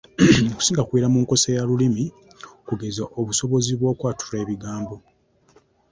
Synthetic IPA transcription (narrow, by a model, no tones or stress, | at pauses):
ku̥siːŋɡakwiːɾamuːŋko̞sejalulimi | kuɡe̞zaʔoβuso̞βo̞ziβwo̞ːkwaːtu̥reːβiɡaːmbo̞